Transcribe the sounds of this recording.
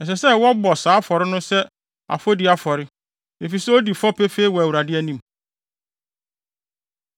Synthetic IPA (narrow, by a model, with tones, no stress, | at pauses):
ɛ˨s̬ɛ˨sɛ˦wɔ˦bɔ˨saː˨˦fɔ˨ɾɪ˦nʊ̃˦sɛ˦ | a̰˨fɔ˦di˨a˦fɔ˨ɾɪ˦ | e˨fi˨sɛ˦o˦di˨fɔ˦pe˦fe˦i˦wɔ˨æ˨wu˨ɾa˨dɪ˦æ˦nĩ˦m˨